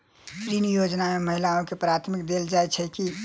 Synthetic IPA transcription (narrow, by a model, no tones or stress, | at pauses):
pɾinijod͡ʒnameməɦilaõkepɾat̪ʰmik̚d̪eld͡ʒajt͡ʃʰəki